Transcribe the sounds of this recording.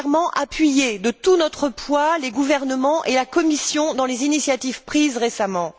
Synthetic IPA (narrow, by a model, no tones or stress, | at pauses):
ʁmɑ̃ʔapɥijed̪ət̪unɔt̪χəpwaleɡuvɛʁnəmɑ̃ʔelakɔmisjɔ̃d̪ɑ̃lezinisjat̪ivpχizʁesamɑ̃